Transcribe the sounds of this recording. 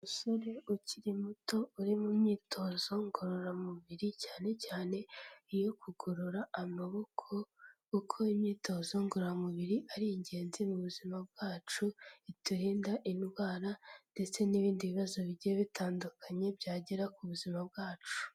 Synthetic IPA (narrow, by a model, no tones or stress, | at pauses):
usoɾeuciɾimuto̞uɾimumɲiːtʰo̞ːz̥o̞ŋɡoɾoɾamuβiɾicaːne̞caːne̞ijo̞kuɡoɾuɾaamaβo̞kʰo̞ | ukʰoimɲiːto̞ːzo̞ŋɡoɾɾamuβiɾiʔaɾiɲɟe̞ːnzimuβuzimabɡ̥aːt͡ʃuituɾiːndaʔinɡwaːɾande̞t͡se̞niβiːndiβiβazo̞βiɟieβitʰaːndukʰaɲe̞bɟaːɟeɾakuβuzimab̚ɡaːt͡ʃu̥